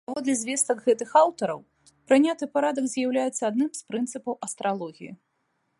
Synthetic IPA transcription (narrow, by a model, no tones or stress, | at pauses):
pavɔd̪lʲɛzʲvʲɛst̪ɐɡɣɛt̪ɨxawt̪ɐɾɐ̰w | pɾɨnʲat̪ɨpaɾad̪ɐkzʲjawlʲajɛt̪sːɐad̪nɨmspɾɨnt̪sɨpɐwɐst̪ɾʔalˠɔɣʲijḭ